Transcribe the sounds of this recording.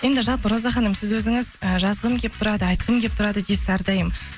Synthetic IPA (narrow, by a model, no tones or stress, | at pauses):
je̞nd̪ɪʒɑlˠpəɾo̞zɑχɑnəmsɪzwɵzɪŋɪzəʒɑzəʁəmkʲe̞p̚t̪ʰʊɾɑd̪əɑjt̪qəmkʲʰe̞p̚t̪ʰʊɾɑd̪əd̪esɪæɾd̪ɑjəm